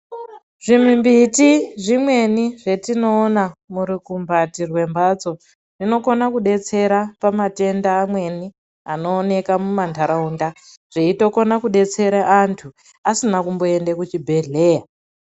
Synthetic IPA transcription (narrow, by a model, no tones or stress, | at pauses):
ʐimimbitiʐimwe̞niʐe̞tino̞ːnamuɾikumbʱatirwe̞mbat͡so̞ | ʐino̞ko̞nakuɗe̞t͡se̞ɾapamate̞ndaːmwe̞ni | ano̞ːne̞kamumantʰaɾaunda | ʐ̥eito̞ko̞nakuɗe̞t͡se̞ɾaʔantʰu | asinakumbo̞e̞nde̞kut͡ʃibʱe̞ɮe̞ːja